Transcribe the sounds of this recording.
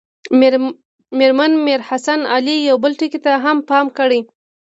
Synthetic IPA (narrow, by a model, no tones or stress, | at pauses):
meɾmanmeɾhasanɑ̰lijawbəlʈikit̪aɦampɑmkəɽəj